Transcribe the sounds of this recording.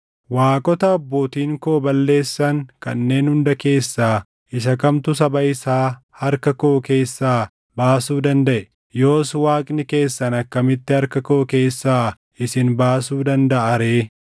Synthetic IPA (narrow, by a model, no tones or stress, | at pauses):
waːkʼɔt̪ɐɐbːoːt̪iːŋkoːbɐlːe̞ːsːɐŋkɐ̰nːe̞ːnhʊnd̪ɐke̞ːsːaː | ɪʃɐkɐmt̪ʊs̬ɐbɐɪsaː | hɐɾkɐko̞ːke̞ːsːaː | baːsuːd̪ɐnd̪ɐʔɛ | jo̞ːswaːkʼnɪke̞ːsːɐnɐkːɐmɪt̪ːɪhɐɾkɐko̞ːke̞ːsːaː | ɪsɪnbaːsuːd̪ɐnd̪ɐʔɐɾe̞ː